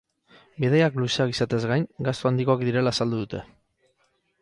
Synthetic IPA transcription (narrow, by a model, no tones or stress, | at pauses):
bið̞ejakluseakisat̪e̞zɡajŋɡast̪oand̪iko̞akd̪iɾe̞laːsald̪uðut̪e̞